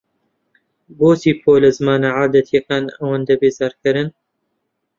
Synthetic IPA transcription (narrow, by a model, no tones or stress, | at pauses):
boːsiːpʰoːlɐzɨmaːnaʕaːd̪ɐt̪jɐkaːnɐwand̪ɐbeːzaːɾkɨɾɨn